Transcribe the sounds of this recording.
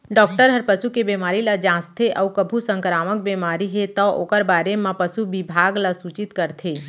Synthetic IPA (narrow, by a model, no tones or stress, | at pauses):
ɖɔːkʈəɾɦəɾpəsukebemaːɾilad͡ʒãːst̪ʰeʔawkəbʱusə̃ŋkɾaːmək̚bemaːɾiɦet̪ɔʔoːkəɾbaːɾemãpəsubɪbʱaːɡlasut͡ʃit̪kəɾt̪ʰe